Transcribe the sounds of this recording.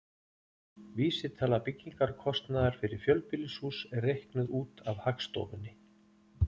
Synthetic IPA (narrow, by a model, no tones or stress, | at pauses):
viːsɪ̥t̪ʰɛːlːapɪcːiŋkaɾkʰɔst̪naðaɾ̥fɪɾɪɾ̥fjœlpɪlɪsuːsɛrːejhknʏðuːt̪avhakst̪o̰ːvʏnːɪ